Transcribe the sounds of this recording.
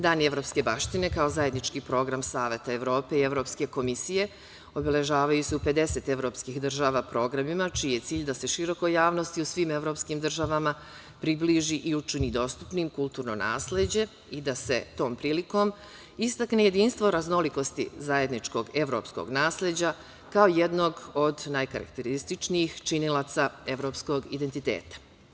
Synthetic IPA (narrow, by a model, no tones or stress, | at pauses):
d̪aːnie̞ʋɾo̞ːpske̞baʃt̪ine̞kao̞zaje̞d̪nit͡ʃkiːpɾo̞ɡɾamsaːʋe̞t̪aeʋɾo̞ːpe̞ie̞ʋɾo̞ːpske̞ko̞misije̞ | o̞be̞le̞ʒaːʋajuseupe̞d̪e̞se̞t̪e̞ʋɾo̞ːpskixd̪r̩ʒaːʋaːpɾo̞ːɡɾamimat͡ʃiːje̞t̪siːʎd̪ase̞ʃiɾo̞ko̞jaːʋnost̪iusʋime̞ʋɾo̞ːpskiːmd̪r̩ʒaʋama | pɾibliːʒiʔiut͡ʃinid̪o̞st̪u̥pniːmkulˠt̪uːɾno̞̰na̰ːsle̞d͡ʑe̞ | id̪ase̞̰t̪o̞ːmpɾiːliko̞m | ist̪akneje̞d̪iːnst̪ʋo̞ɾazno̞liko̞st̪ḭzaje̞d̪nit͡ʃko̞ɡe̞ʋɾo̞̰psko̰ɡnaːsle̞d͡ʑa | kaoje̞d̪no̞ɡo̞d̪najka̰ɾa̰kt̪e̞ɾist̪it͡ʃniixt͡ʃinilˠat̪sae̞ʋɾo̞ːpsko̞ɡid̪e̞nt̪it̪ḛːt̪ḁ